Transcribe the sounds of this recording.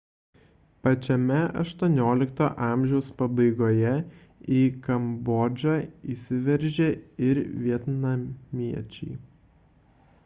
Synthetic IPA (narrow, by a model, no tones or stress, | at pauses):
pɐt͡ʃʲɛmʲɛɐ̰ʃt̪uɔnʲoːlʲɪkt̪oːʔɑːˑmʲʒʲɛʊspɐbɐɪɡoːjɛ | iːkɐmbɔd͡ʒʲɑːiːsʲɪʋʲɛɾʲʒʲeɪɾʋʲiɛt̪nɐmʲiɛt͡ʃʲɛɪ